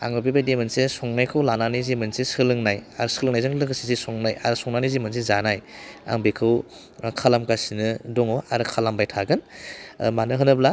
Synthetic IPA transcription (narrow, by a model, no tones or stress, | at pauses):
a̰ŋɯbibajdemɯnsesɔŋnajkʰɯwlananizimɯnsesɯlɯŋnajaɾsɯlɯŋnajzɯŋlɯɡɯsizesɔŋnaja̰ɾsɔŋnanizimɯnsezanaja̰ŋbekʰɯw | kʰalamkasinɯdɔŋɔaɾkʰalambajtʰaɡɯn | manɯɦɯnɯbla